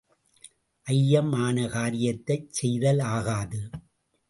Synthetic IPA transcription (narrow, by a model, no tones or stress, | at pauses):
ʔɐjːɐmaːnɐkaːɾɪjɐt̪ːɐɪt͡ʃsɛjðɐlaːɣaːðɯ